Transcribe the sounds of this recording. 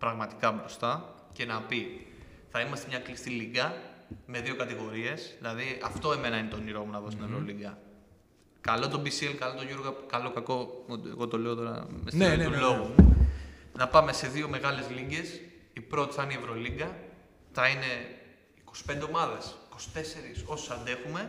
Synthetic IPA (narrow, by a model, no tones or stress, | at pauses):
pɾɐɣmɐt̪i̥kɐbɾo̞st̪ɐ | ce̞nɐpi | θɐimɐst̪e̞mɲɐklist̪iliɡɐme̞ðio̞kɐt̪iɣo̞ɾie̞sðilɐðiɐft̪oe̞me̞nɐine̞t̪o̞niɾo̞munɐðo̞st̪inevɾo̞liŋɡɐ | kɐlo̞t̪o̞bisielkɐlo̞t̪o̞ʝoɾɣɐkɐlo̞kɐko̞t̪ḛɣot̪oleot̪o̞ɾɐ̰mesulo̞ɣumu | nɐpɐme̞se̞ðio̞me̞ɣɐle̞zliɲɡe̞sipɾo̞t̪i̥sɐnievɾo̞liŋɡɐ | θɐine̞ | ikosi̥pe̞nd̪eomɐðesiko̞si̥t̪e̞se̞ɾiso̞si̥sɐnd̪e̞xume̞